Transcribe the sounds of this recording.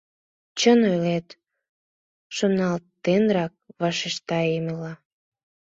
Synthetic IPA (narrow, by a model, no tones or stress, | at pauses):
t͡ɕənojlet̪ | ʃonɑlt̪ːenrɑk̚βɑʃeʃt̪ɑeməlɑ